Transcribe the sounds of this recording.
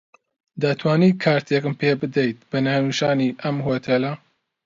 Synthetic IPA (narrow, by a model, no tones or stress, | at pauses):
d̪at̪ʰwaːniːkʰaːɾt̪ʰeːkɨmpʰeːbɨd̪ɛjt̪̚bɐnaːnuːʃaːniːʔɐmhoːt̪ʰeːlɐ